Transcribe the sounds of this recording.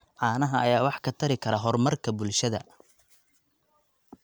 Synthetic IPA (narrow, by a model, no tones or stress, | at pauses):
ʕɑːnɐɦɐɐjaːwɑħkʰɐt̪ʰɐɾɪkʰɐɾɐɦɔrmɐrkʰɐbʊlʃɐðɐ̰